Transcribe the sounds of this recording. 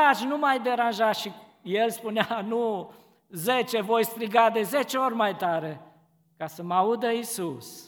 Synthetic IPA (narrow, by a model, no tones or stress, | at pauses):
at͡ʃʲnumajd̪e̞ɾanʒaʃi | je̞lspuneanu | ze̞t͡ʃe̞vo̞jst̪ɾiɡad̪e̞ze̞t͡ʃeorʲmajt̪aɾe̞ | kasəmaud̪əisus